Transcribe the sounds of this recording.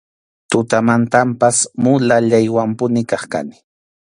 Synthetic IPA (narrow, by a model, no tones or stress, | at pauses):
t̪ʊt̪amant̪ampasmʊlaʎajwampʊnɪkɑχka̰nɪ̥